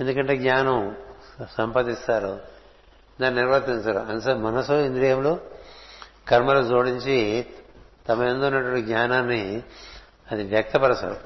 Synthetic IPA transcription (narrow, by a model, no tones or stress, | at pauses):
end̪ukɐɳʈe̞ːɡɲʲaːnɐmsɐmpɐd̪ist̪aːɾu | d̪aːnniɾʋɐɾt̪int͡ʃusɐɾṵɐnsɐmɐnɐsuind̪ɾijɐmloː | kɐɾmɐlod͡ʒoːɽiɲt͡ʃi | t̪ɐmɐend̪ounːɐʈɐɳʈːiɡɲʲaːnaːnːi | ɐd̪iʋjɐk̚t̪ɐpɐɾɐsɐ̰ɾu